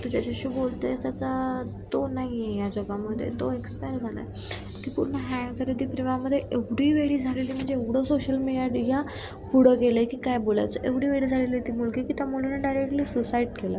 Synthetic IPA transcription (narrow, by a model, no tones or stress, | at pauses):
t̪ud͡ʑat͡ɕaɕiːbolt̪eəsat͡sat̪onaɦiejad͡ʑɔɡaməd̪ʱːjḛt̪oekspajəɾd͡zʱalə̰j | t̪iːpuɾɳəɦɛ̃ŋɡsaɾid̪iːpɾimaməd̪ʱːjeʔeʋɽiːʋeɽiːd͡zʱaleliːm̤əɳd͡zeeʋɽ̤əsoɕəlmiɽijaɖiɦja | fuɽəɡeləkiːkajbola̰jt͡səʔeʋɽiːʋeɽiːd͡zʱaleliːt̪iːmulkikit̪jamuɽuneɖajɾek̚ʈliːsusaiʈkela